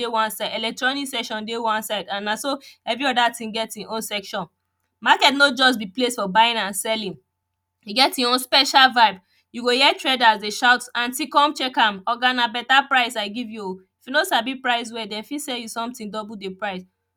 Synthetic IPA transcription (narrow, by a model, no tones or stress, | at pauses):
ewãnsaɪdɛlɛk̚tɹɔniksɛkʃɔ̃ndewãnsaɪdãnːasoɛvɹiɔdatĩŋɡɛtĩʔõnsɛkʃɔ̃n | makɛtnod͡ʒɔs̬biplestfɔbaɪĩnãnsɛlĩn | hiɡɛtĩõnspɛʃalvaɪb | juɡojɛtɹɛdazdeʃaʊtsãnsikɔ̃mt͡ʃɛkãmɔɡanabɛtapɹaɪsaɪɡivju | ifjunosabipɹaɪs̬wɛdɛ̃nfisɛljusɔ̃mtĩŋdɔbuldepɹaɪs